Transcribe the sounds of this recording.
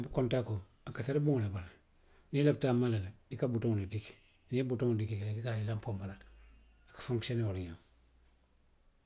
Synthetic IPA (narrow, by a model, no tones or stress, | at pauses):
bukontako | akasaɾebuŋolebala | nilap̚tamaleladikabutoŋlidik | niebutoŋdikikelekikailampombalat | akḁfuŋksoneoliɲam